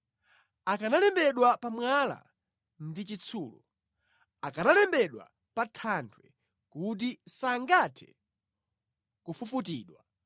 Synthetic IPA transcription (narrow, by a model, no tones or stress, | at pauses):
akanalɛmbɛɗwapamwala̰ | ndit͡ʃit͡sʰuːlɔ̰ | akanalɛmbɛɗwa̰ | patʰantʰwɛ | kut̬isaŋɡatʰɛ̥̰ | kufufutiːɗwa